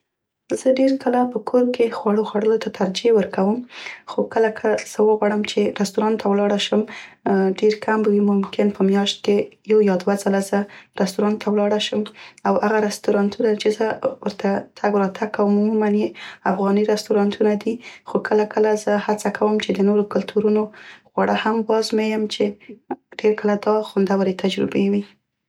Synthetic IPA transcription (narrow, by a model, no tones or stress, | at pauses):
zəɖeɾkəlapəkʰoɾkexwaɽoxwaɽəlot̪at̪ʰaɾd͡ʒewəɾkawəmxokəlakʰəz̥əwəɣwaɽəmt͡ʃeɾast̪uɾɑnt̪ʰawlɑɽaʃəm | ɖeɾkʰambwimʊmkɪnpəmjɑʃt̪̚kejawjɑd̪wazalazəɾast̪uɾɑnt̪ʰːawlɑɽaʃəmawhaɣaɾast̪uɾɑnt̪ʰunat͡ʃezəwəɾt̪ʰat̪ʰaɡɾɑt̪ʰakawəmumumanjeafɣɑniɾast̪uɾɑnt̪ʰunad̪ixokʰəlakʰəlazəhat͡sakʰawəmt͡ʃed̪ənoɾokʊlt̪ʰuɾunoɣwaɽʔəhamwɑzmejəmt͡ʃeɖ̥eɾkəlad̪ɑxʊnd̪awaɾet̪ʰad͡ʒɾɪ̰bewi